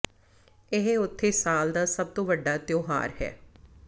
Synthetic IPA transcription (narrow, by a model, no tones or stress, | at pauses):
ɪɦeʊt̪ʰːeːsaːld̪aːsəb̚t̪õːʋəɖːaːt̪joːɦa̰ːɾhɛ̰ː